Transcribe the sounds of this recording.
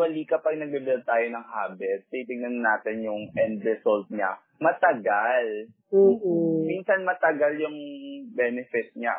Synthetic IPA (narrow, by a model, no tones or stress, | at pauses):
wɐliːkɐpɐɡ̚nɐɡ̚bɪbɛlt̪aːjonɐŋhaːbɛt̪̚ːɛt̪ɪŋnɐnnaːt̪ɪnjʊŋʔɛnd̪ɾɛsolt̪̚ɲa̰ | mɐt̪ɐɡalː | miːnsɐnmɐt̪ɐɡaljʊŋbɛːnɛfɪt̪̚ɲa